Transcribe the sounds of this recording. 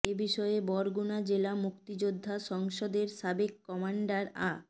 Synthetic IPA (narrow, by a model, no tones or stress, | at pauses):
ebiʃɔebɔɾɡunad͡ʑelamukt̪id͡ʑod̪ʱːaʃɔŋʃod̪eɾʃabekːɔmaɳɖaɾa